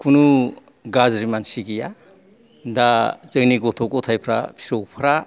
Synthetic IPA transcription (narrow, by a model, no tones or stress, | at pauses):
kʰunu | ɡazɾimansiɡija | dazɯŋniɡɔtʰɔkɔtʰajpʰɾa̰pʰi̥sowpʰɾa